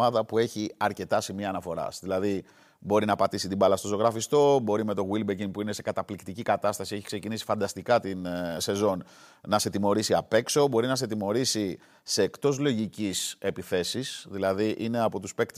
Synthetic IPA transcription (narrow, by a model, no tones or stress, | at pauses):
ɐðɐpue̞çiɐɾce̞t̪ɐsimiɐːnɐfo̞ɾɐ̰sðilɐði | bo̞ɾinɐpɐt̪isit̪ibɐlɐst̪o̞soɣɾɐfist̪o̞bo̞ɾime̞t̪o̞ɣwilbeciŋpuine̞se̞kɐt̪ɐplikt̪icikɐt̪ɐst̪ɐsie̞çi̥kse̞cinisi̥fɐnd̪ɐst̪ikɐt̪inse̞zo̞n | nɐse̞t̪imo̞ɾisiɐpe̞kso̞bo̞ɾinɐs̬et̪̬imo̞ɾisi | se̞ːkt̪o̞zlo̞ʝicise̞piθe̞sisðilɐðiʔine̞ɐpo̞t̪uspe̞kt̪